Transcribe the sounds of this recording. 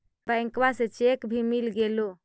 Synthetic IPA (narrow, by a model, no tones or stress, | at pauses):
bəŋkwaset͡ʃekbʱimilɡelo